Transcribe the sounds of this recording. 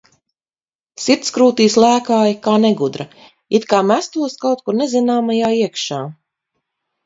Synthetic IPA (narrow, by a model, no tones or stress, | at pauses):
sit̪skɾuːt̪iːslˠæːkaːjikaːneɡud̪ɾa | it̪kaːmæst̪uɔskawt̪̚kuɾnɛzinaːmajaːiɛkʃaː